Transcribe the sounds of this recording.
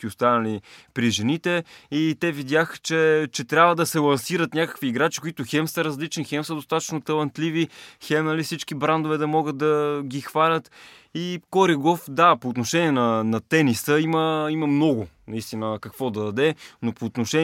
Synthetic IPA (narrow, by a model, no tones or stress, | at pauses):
kiost̪anəlipɾiʒɛnit̪ɛit̪ɛvid̪ʲjaxt͡ʃɛt͡ʃɛt̪ɾʲabvəd̪ɐsɛlˠɐnsiɾət̪nʲakə̥kviːɡɾat͡ʃi̥koit̪ʊxɛmsəɾɐzlit͡ʃnixɛmsəd̪ost̪at̪ə̥t͡ʃnot̪ɐlˠɐnt̪livixɛmnɐlifsit͡ʃkibɾand̪ovɛd̪ɐmɔɡət̪̚d̪ɐɡʲixvalʲət̪ | ikoɾiɡofd̪apoːt̪noʃɛniɛnɐnɐt̪ɛnisəiməimɐmnɔɡʊnɐist̪inəkɐkvɔd̪ɐd̪ɐd̪ɛnopoːt̪noʃɛ